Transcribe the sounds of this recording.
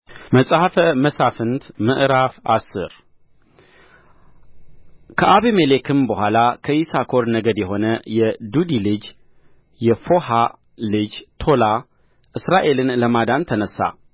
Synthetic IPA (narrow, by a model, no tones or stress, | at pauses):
məsʼhafəməsafɨnt̪mɨʔɾafasɨ̰ɾ | kʰəʔaβimelekʰɨmbəhʷalakʰəjisakʰo̞ɾnəɡəd̪jɛɦo̞nəjɛd̪ud̪ilɨd͡ʒ | jɛfo̞ha | lɨd͡ʒt̪ʰo̞la | ʔɨsɾaʔe̞lɨnləmad̪ant̪ʰənəsːa̰